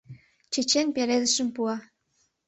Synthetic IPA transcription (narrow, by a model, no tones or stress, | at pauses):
t͡ɕĕt͡ɕenpeɾed̪ə̆ʃə̆mpuɑ